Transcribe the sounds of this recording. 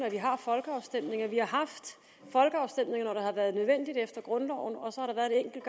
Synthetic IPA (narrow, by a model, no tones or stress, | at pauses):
næʋiɦɑ̈fɒ̽lɡ̥əɑ̈ʊsd̥em̰ne̝ŋɐʋihɑ̈ɦɑ̈fd̥ | fɒ̽lɡ̥əɑ̈ʊsd̥em̰ne̝ŋɐnɒɾ̥ɑ̈hɑʋæːɐð̞ˠnøð̞ˠʋen̰d̥id̥efd̥ɐɡ̥ʁɔ̽nlɒʊn̩ɒ̽sɒ̽hɑ̈ɾ̥ɑ̈ʋæɐðˠeeŋ̰ɡ̥l̩ɡ̥